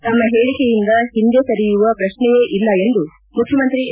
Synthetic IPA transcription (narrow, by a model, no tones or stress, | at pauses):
t̪ɐmːɐɦeːɭikejind̪ɐɦind̪ekɐɾijuʋɐpɾɐʃnɛjeːʔilːɐe̞nd̪u | mukʰjɐmɐnt̪ɾi